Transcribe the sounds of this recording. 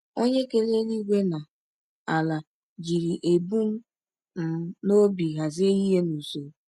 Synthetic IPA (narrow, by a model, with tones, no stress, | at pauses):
o˦ɲe˦ke˦le˦li˦ɡʷe˦na˨ | a˨la˨ | d͡ʒi˨ɾi˨ʔe˨bu˦m̩˦ | m̩˦no˦bi˨ɣa˨ze˦i˦ɦe˦nu˨so˨